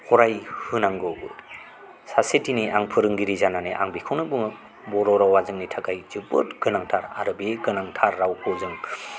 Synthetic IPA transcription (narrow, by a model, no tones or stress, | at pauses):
kʰɔɾajhɯnaŋɡɯbɯ | sasetiniʔaŋpʰɯɾɯŋɡiɾizananeʔa̰ŋbikʰɔnɯbɯŋɯ | bɔɾɔɾawazɯŋnitʰakajzɯbɯ̰tɡ̥ɯnaŋtʰaɾa̰ɾɯbeɡɯnaŋtʰaɾːawkʰɔzɯŋ